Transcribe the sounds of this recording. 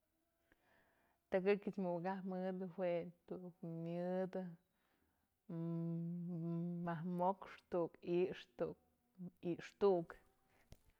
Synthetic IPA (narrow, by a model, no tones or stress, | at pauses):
t̪akɨkʲɨt͡ʃmɨwkahmɨd̪ɨhwet̪uʔkmʲɨd̪ɨ | mahmokʂt̪uʔkiʂt̪uk̚ | iʔʂt̪uʔuk